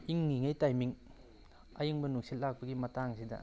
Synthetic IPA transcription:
iŋniŋejtajmiŋ | ɐ̰jiŋbɐnuŋsillːak̚pɐɡimɐtaŋsidɐ̰

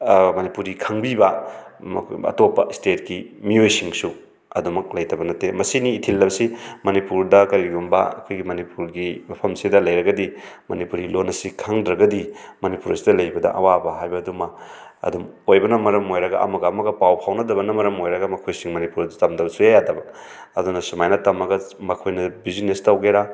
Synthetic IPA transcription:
mɐnipuɾikʰaŋbibɐ | ɐ̰topːɐ̰stet̚kimiojsiŋsu | ɐ̰dumɐk̚lɐjtɐbɐnɐtemɐsiniːtʰilːɐbɐsimɐnipuɾdɐkɐɾiɡumbɐ̰ɐ̰kʰojɡimɐnipuɾɡimɐpʰɐmsidɐlɐjɾɐɡɐdimɐnipuɾilonɐsikʰaŋdɾɐɡɐdimɐnipuɾɐsidɐlɐjbɐdɐ̰ʔɐ̰wabɐɦajbɐdumɐ | ɐ̰dum | ojbɐnɐmɐɾɐmojɾɐɡa̰ʔɐ̰mɐɡɐɐmɐɡɐpawpʰawnɐdɐbɐnɐmɐɾɐmojɾɐɡɐmɐkʰojsiŋmɐnipuɾɐdutɐmdɐbɐsujajadɐbɐ | ɐdunɐsumajnɐtɐmɐɡɐmɐkʰojnɐbizinestawɡejɾa

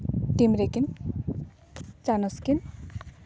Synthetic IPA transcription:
ʈimɾekin | t͡ʃanɔskin

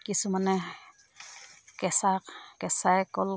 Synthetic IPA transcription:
kisumanɛ | kɛsakkɛsaɛkɔl

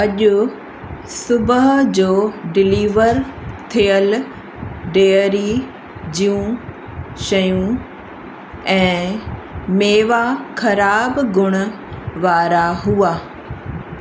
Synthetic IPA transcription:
ɐʄʊ | sʊbəɦd͡ʑoːɖɪliːʋəɾt̪ʰijəl | ɖeːəɾi | d͡ʑijũ | ʃɐjũ | ɛ̃ː | meːʋakʰɐɾaːbɡʱʊɽ̃ʊ̆ | ʋaːɾaɦuaː

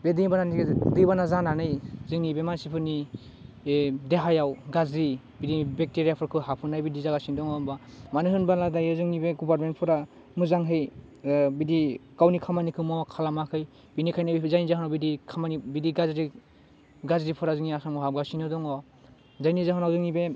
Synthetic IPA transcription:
bediŋbananidɯjbanazananɯjzɯŋnibemansipʰɯni | deɦajawɡazɾi | bidibek̚teɾijapʰɯɾkʰɯɦapʰɯnajbidizaɡasindɔŋɔbamanɯɦɯnbaladajɯzɯŋnibeɡɔbaɾmen̚pʰɔɾa | muzaŋɦɯj | bidikawnikʰamanikʰɯmɔkʰalamakʰɯj | binikʰajnabizajnizaɦɯnawbidikʰamanibidiɡazɾi | ɡazɾipʰɯɾazɯŋniasaŋmɔɦap̚ɡasinɯdɔŋɔ | zajnizaɦɔnawzɯŋnibe

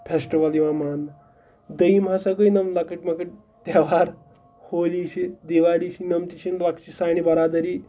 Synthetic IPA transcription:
pʰesʈiʋɐliʋãman | d̪əjimɦasɐkəjnɐmlakiʈmɐkiʈ̚ | t̪aʋaɾ | holiʃid̪iʋaɽisinɐmt̪it͡ʃʰinlakt͡ʃisañibɐɾad̪ɐɾi

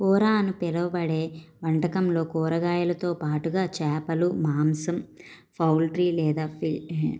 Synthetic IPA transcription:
kɔːɾaːɐnupɛlɐʋɐbɐɽeːʋɐɳʈɐkɐmlo̞ːkɔːɾɐɡaːjɐlɐt̪o̞ːpaːʈuɡaːt͡ʃɛːpɐlumaːmsɐm | pʰɐwlʈɾiːlɛːd̪aːpi

